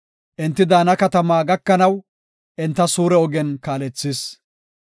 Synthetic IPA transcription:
ʔɪnt̪ːɪd̪aːnɐkɐt̪ɐmaːɡɐkːɐnɐw | ʔɪnt̪ːɐsuːɾɛɔɡɛnkaːlɛt͡sːɪs

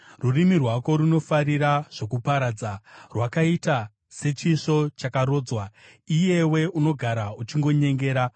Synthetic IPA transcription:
rurimirwako̞ɾuno̞faɾiɾaʐ̥o̞kupaɾaːd͡zarwakaita | se̞t͡ʃiʂo̞t͡ʃakaɾo̞ːd͡zwaije̞we̞uno̞ɡʱaɾaut͡ʃiŋɡo̞ɲe̞ŋɡe̞ːɾa

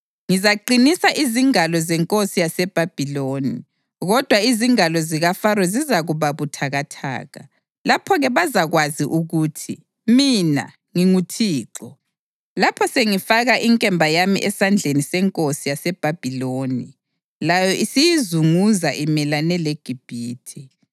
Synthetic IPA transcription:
ŋizaǃinisaʔiziŋalɔzɛŋkʼosijasɛb̥ʱab̥ʱiloːni | ɣɔd̥ʱwaiziŋalɔziɣafaɾɔzizaɣuβaβutʰaɣatʰa̰ːɣa̰ | lapʰɔɣɛβazaɣwaziʔuɣuːtʰi | mina̰ | ŋiŋutʰiːǁɔ | lapʰɔseŋifaɣaʔiŋkʼɛmbʱajamḭʔɛsand͡ɮʱenisɛŋkʼosijasɛb̥ʱab̥ʱiloːni | lajɔʔisijizuŋuzaʔimɛlanɛleɡ̥ʱib̥ʱiːtʰi

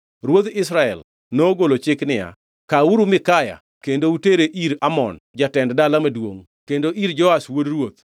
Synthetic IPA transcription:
ɾwot̪ɪsɾaɛl | noɡolot͡ʃɪknɪja̰ | kauɾumɪkaja̰ | kendouteɾeʔiɾamɔ̰nd͡ʒatɛnddalamadwoŋ | kendoʔiɾd͡ʒɔaswodɾwot̪̚

